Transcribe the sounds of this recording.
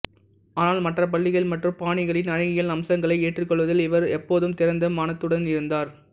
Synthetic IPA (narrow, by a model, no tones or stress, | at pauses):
aːnaːlmɐʈrɐpɐɭːɪɣɐɭmɐʈrɯmpaːɳɪɣɐɭɪnɐɻɐɣɪjɐlnɐmsɐŋɡɐɭɐɪeːʈrɯkːɔɭʋɐðɪlɪʋɐɾɛpːoːðɯmt̪ɪɾɐnd̪ɐmɐnɐt̪ːɯɽɐnɪɾɯnd̪aːɾ